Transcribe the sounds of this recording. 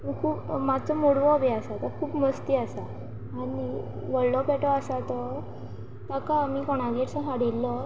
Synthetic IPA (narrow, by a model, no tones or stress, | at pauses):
məkʰuːpmat͡sɔmuɽʋɔbiasat̪ɔkʰuːpməst̪iasaː | ɽi | ʋəɭlɔpɛʈɔasat̪ɔ | t̪akaːmiːkɔɽ̃aɡeʈsə̃ɦaɽilːɔ